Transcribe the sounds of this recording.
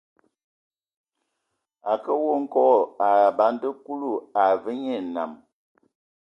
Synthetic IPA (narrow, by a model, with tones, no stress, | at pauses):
a˨kə˦wo˦ŋ̩˦kɔ˦˨a˨ba˨˦ndə˦ku˦lu˦˨a˨və˦ɲe˦˨na̰˨m